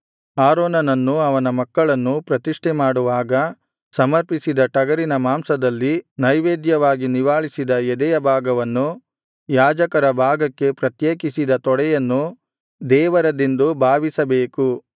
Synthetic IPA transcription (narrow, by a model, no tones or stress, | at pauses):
aːɾɔːnɐnɐnːuɐʋɐnɐmɐkːɐɭɐnːupɾɐt̪iʂʈɛmaːɽuʋaːɡɐ | sɐmɐɾpisid̪ɐʈɐɡɐɾinɐmaːmsɐd̪ɐlːinɐjʋeːd̪jɐʋaːɡiniʋaːɭisid̪ɐjɛd̪ɛjɐbʱaːɡɐʋɐnːu | jaːd͡ʒɐkɐɾɐbʱaːɡɐkːe̞pɾɐt̪jeːkisid̪ɐt̪ɔɽɛjɐnːu | d̪ɛːʋɐɾɐd̪ind̪ubʱaːʋisɐbeːku